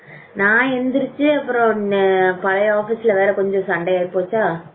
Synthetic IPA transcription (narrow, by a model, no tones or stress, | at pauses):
naːɛnd̪ɪɾɯt͡ʃːɯɐpːɯɾõpɐlɐjaːfisɪlɐʋeːɾɐkɔɲd͡ʒɔ̃sɐɳɖɐjaːɪpoːt͡ʃːaː